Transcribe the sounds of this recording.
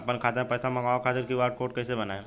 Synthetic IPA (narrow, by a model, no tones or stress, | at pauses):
ɐpənkʰaːt̪ẽpɛːsamɐɡaːokʰaːt̪ɪɾkiaːʈ̚koːʈ̚kɛːsebɐnaẽ